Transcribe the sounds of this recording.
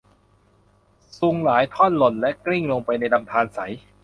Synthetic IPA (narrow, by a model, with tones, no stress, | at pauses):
su˧ŋlaː˩˦jt̪ʰɔː˥˩nlo˨˩nlɛ˦˥kli˥˩ŋloː˧ŋpa˧jna˧jla˧mt̪ʰaː˧nsa˩˦j